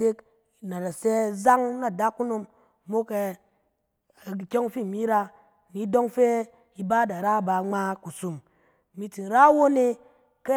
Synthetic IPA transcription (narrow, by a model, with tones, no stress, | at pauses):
e˦k | na˨da˨se˦za˦ŋna˨da˦kːu˦no˧mː | o˦ke˧˨ | kʲo˦ŋ˦fi˦˨mi˦ɾa˧ | ni˨˦do˦ŋfe˦ | i˧ba˦da˨ɾa˦˨ba˧˨ŋ͡ma˦ku˨su˨m | mi˧ti˨n˨ɾa˦wo˦ne˦ | ke˦